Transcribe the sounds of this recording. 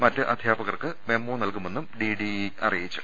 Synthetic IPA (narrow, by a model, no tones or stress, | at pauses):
mɐtːɨʔɐd̪ʱjaːbɐɣɐrkɨme̞mːoːnɐlkume̞nːumɖiɖiɐ̰rijit͡ɕːu